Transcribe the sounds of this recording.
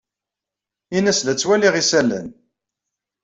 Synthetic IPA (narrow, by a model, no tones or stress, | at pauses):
inæslæt͡sːwæliʁisælːə̰n